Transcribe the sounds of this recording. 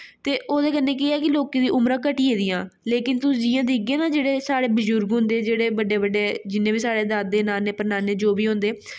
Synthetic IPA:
t̪eːʔoːd̪eːkənːeːk̬ɪɛːkɪloːkeːd̪iːʔʊmɾãːkəʈiːeːd̪ɪːãːleːkɪnt̪ʊid͡ʒɪːãːd̪iːəɡeːnaːd͡ʒeːɽeːsaːɽeːbəd͡ʒʊɾɡɦʊ̃nd̪eːd͡ʒeːɽeːbəɖeːbəɖeːd͡ʒɪnːẽːbiːsaːɽeːd̪aːd̪eːnaːneːpəɾnaːneːd͡ʒoːbiːɦʊ̃nd̪eː

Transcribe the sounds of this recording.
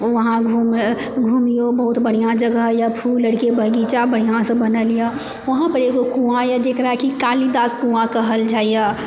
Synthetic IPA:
ʋɐɦãɡʱuːm | ɡʱuːmijobɐɦʊt̪bəɽ̤ijãd͡ʒəɡəɦjapʰuːlːəɽkebʱəɡiːt͡ʃabəɽ̤ijãsɐ̃bənəlija | ʋɐɦãpəɾeɡokũãjad͡ʒ̪eːkɾakikaːlid̪aːskũãkaɦəld͡ʒaːija

